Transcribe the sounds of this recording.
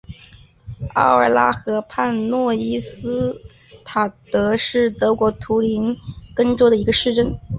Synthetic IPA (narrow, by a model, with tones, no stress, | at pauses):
ɑ̰˥˩ʊə˞˨˩la˥xɤ˧˥pʰa˥˧nnwɔ˥˩i˥sɹ̩˥ | t̪ʰa˨˩t̪ɤ˧˥ʂɻ̩˥˩t̪ɤ˧˥kwɔ˧˥t̪ʰu˧˥li˧˥nkə˥ŋʈ͡ʂo˥ʊd̪ə˨i˧˥ɡə˧ʂɻ̩˥˧ʈ͡ʂə˥˩n